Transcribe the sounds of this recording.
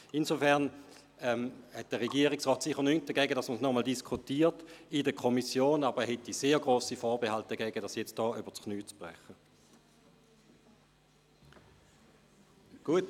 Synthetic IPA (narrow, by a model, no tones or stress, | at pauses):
inzofɛɐn | ɛmhɛt̚d̥əʁɛɡiːəʁɪksʁɔːtsɪχəɐnyŋt̚d̥əɡɛːɡədɑsməsnɔmɔldiskʰutiːtidəkʰɔmisjoːnɑbəʁɛɐhɛtiseːɡʁoːsifɔːʁbehalt̚d̥əɡ̥ɛːɡədɑsjɛt͡st̚d̥ɔːybətkʰnyːt͡sb̥ʁɛ̰χə | ɡ̥uət